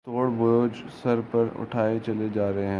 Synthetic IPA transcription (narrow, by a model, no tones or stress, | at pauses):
t̪oːɽbʊɾoːd͡ʒ | sɐɾpɐɾʊ̰ʈʰaːet͡ʃɐled͡ʒaːɾɐɦeɦɛ̃